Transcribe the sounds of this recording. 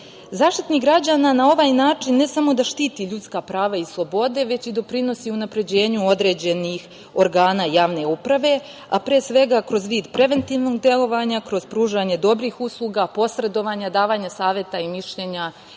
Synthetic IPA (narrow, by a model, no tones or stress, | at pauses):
zaːʃt̪i̥t̪niɡɾad͡ʑananao̞ʋaːjnaːt͡ʂinːe̞samo̞d̪aʃt̪iːt̪iʎut̪skapɾaːʋaislˠo̞bo̞d̪e̞ʋe̞t͡ɕid̪o̞pɾino̞siunapɾe̞d͡ʑe̞ːɲuo̞d̪ɾe̞ːd͡ʑe̞nix | o̞ɾɡaːnaːjaːʋne̞upɾaʋe̞ | apɾeːsʋe̞ɡakɾo̞zʋiːd̪pɾe̞ʋe̞nt̪iːʋno̞ɡ̚d̪je̞lˠo̞ʋaɲakɾo̞zpɾuːʒaːɲe̞d̪o̞bɾiːxuslˠuːɡapo̞sɾe̞d̪o̞ʋaːɲad̪aːʋaːɲasaːʋjet̪aimiʃʎe̞ːɲa